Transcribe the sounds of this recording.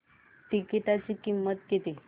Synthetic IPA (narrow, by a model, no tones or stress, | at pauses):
ʈikiʈat͡ɕikimːət̪̚ɡet̪i